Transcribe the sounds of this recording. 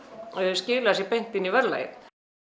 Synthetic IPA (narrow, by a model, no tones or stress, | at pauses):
scɪːlasipejŋ̥t̪ɪnːivɛɾla̰jɪ̰